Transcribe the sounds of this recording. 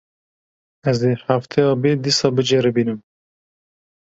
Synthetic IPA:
ɛzeħaft̪ʰejɑːbed̪isɑːbɨd͡ʒeɾɨbiːnɨm

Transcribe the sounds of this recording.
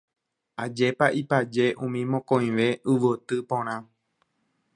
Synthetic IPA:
ad͡ʒe̞paʔipad͡ʒe̞ʔũmĩmõkõj̃ʋe̞ʔɨʋot̪ɨpõɾ̃ã

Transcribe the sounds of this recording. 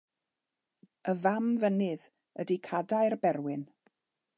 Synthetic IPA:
əvamvənɪð | ədikʰadajrbɛrwɪn

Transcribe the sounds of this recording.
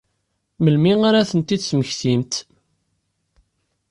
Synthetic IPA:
məlmiŋaɾaθənt̪id̪sməçθimt̪

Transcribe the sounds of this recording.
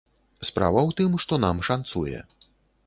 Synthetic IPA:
spɾa̰vɐwt̪ɨmʂt̪ɔnamʂant̪sujɛ̰

